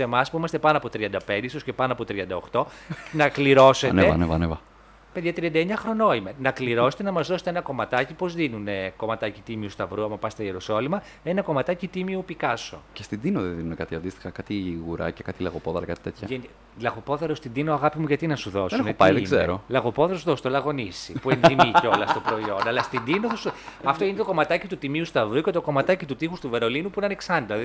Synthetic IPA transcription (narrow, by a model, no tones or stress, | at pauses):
se̞mɐspuimɐst̪e̞pɐnoɐpo̞t̪ɾiɐnd̪ɐpe̞nd̪eist̪osce̞pɐnoɐpo̞t̪ɾiɐnd̪ɐo̞xt̪o̞nɐkliɾo̞se̞neɐ̰nevɐ̰nevɐ | peðʝɐt̪ɾiɐnd̪ɐeɲɐxɾo̞no̞ime̞nɐkliɾo̞se̥t̪enɐmɐzðoset̪eenɐko̞mɐt̪ɐcipo̞zðinuneko̞mɐt̪ɐcit̪imiust̪ɐvɾuɐmɐpɐst̪ɐjeɾoso̞limɐ | enɐko̞mɐt̪ɐcit̪imiupikɐso̞̰cest̪id̪inoðenðinunekat̪iɐnd̪ist̪i̥xɐkat̪iɣuɾɐ̰cekat̪ilɐɣopoðɐlɐkɐt̪i̥t̪et̪çɐʝen | lɐɣopo̞ðeɾost̪id̪inoɐɣɐpimuʝɐt̪inɐsuðo̞seunneopa̰jðeɡzḛɾo̰lɐɣo̞poðeɾosuðost̪olɐɣo̞nisḭpueenimieo̞lɐst̪opɾo̞io̞nɐlɐst̪ind̪inoθosɐft̪oinet̪o̞ko̞mɐt̪ɐcit̪ut̪imiust̪ɐvɾuce̞t̪oko̞mɐt̪ɐcit̪ut̪ixust̪uve̞ɾo̞linupuinɐne̞ksɐnd̪ɐ